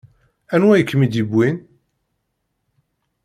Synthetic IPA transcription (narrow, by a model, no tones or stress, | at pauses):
ænwæjəkːmid̪ibwin